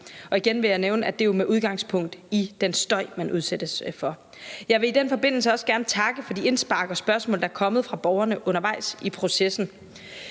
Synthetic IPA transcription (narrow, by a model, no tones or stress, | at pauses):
ɒ̽iɡ̥enʋe̝jɑ̈ɪneʊnəæd̥e̝jo̝meʔuð̞ˠɡ̥ɑ̈ŋspʰɔ̽ŋ̰d̥id̥ensd̥ɒ̽ɪ̰mænuð̞ˠsed̥əsfɒ̽ | jɑ̈ɪʋe̝id̥enfɒ̽b̥e̝n̰l̩səɒ̽sɡ̥æɐnət͡sʰɑ̈ɡ̥əfɒ̽d̥ie̝nsb̥ɑ̈ːɡ̥ɒ̽sb̥ɶɐsmɔ̰̽ld̥ɑæɐkʰɒ̽məð̞̩ˠfʁɑ̈b̥ɒʊɐnəʔɔ̽n̰ɐʋɑ̈ɪ̰sipʰʁo̝sesn̩